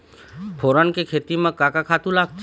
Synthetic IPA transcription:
pʰoːɾənkekʰeːt̪imẽkakakʰat̪ũlaːɡ̚t̪ʰ

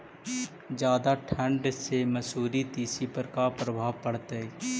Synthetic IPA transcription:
d͡ʒjaːd̪aʈʰə̃ɳɖsemɐsuːɾit̪iːsipəɾkapɾəbʱaːʋpəɽt̪e

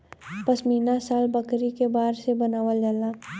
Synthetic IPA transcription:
pəsmiːnasaːlbɐkɾikebaːɾsebɐnaːʋəld͡ʒala

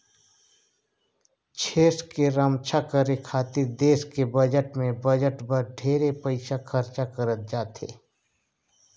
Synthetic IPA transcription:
t͡ʃʰeːskeɾəmt͡ʃʰakəɾekʰaːt̪iɾd̪eːʃkebəd͡ʒəʈmẽbəd͡ʒəʈbəɾɖʱeːɾepəɪsakʰɐɾt͡ʃakəɾət̪̚d͡ʒaːt̪ḛː

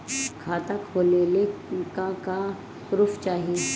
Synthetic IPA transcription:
kʰaːt̪akʰoːlelekaka | ʊɾʊft͡ʃaːɦie

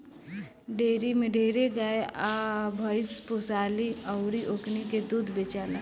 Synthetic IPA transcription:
ɖeːɾimẽɖeːɾeɡaːeabʱəɪsposaːliəwɾiʔokniked̪uːd̪ʱbet͡ʃaːla

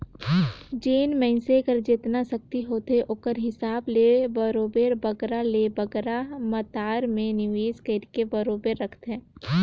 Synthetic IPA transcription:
d͡ʒeːnmɛ̃ɪnsekəɾd͡ʒeːt̪nasək̚t̪iɦoːt̪eʔoːkəɾɦɪsaːblebəɾoːbeːɾbəɡɾalebəɡɾamət̪aːɾmẽnɪʋeːskəɾkebəɾoːbeɾːəkʰt̪ɛ̃ː

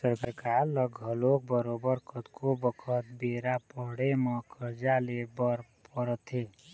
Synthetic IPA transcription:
səɾkəɾkaɾləɡʱəlok̚bəɾobəɾkʰət̪kʰobəkʰət̪beɾapəɦɽeməkʰəɾd͡ʒalebəɾpəɾət̪ɦe

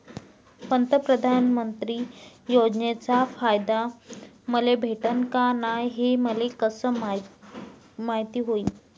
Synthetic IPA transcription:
pənt̪əpɾəd̪ʱanmənt̪ɾiːjod͡ʑnet͡safajd̪a | məlebʱeʈənkanajɦeməlekəsəːm | maɦit̪iːɦoiː

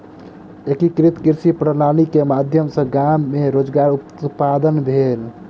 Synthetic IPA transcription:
ekikɾit̪kiɾsipɾənaɽ̃ikemad̪ʱjəmsə̃ɡamːeɾod͡ʒɡaɾu | pːad̪ənbʱel

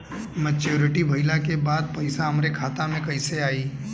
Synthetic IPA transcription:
mɛt͡ʃoːɾɪʈibʱɐɪlakebaːd̪̚pɐɪsaɦɐmɾekʰaːt̪amẽkɐɪseaːiː

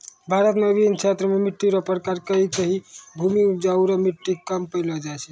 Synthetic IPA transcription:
bʱaɾət̪mebint͡ʃʰet̪ɾəmemiʈːiɾɔpɾkaɾkəɦikəɦibʱumiupd͡ʒauɾamiʈːikəmpəjlɔd͡ʒajt͡ʃʰɛ

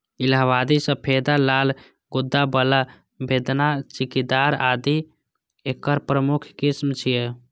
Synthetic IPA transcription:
ilɦaβad̪isəpʰed̪alal | ɡud̪ːabəla | bed̪nat͡ʃikid̪aɾad̪i | ekəɾpɾəmukʰkismt͡ʃʰije

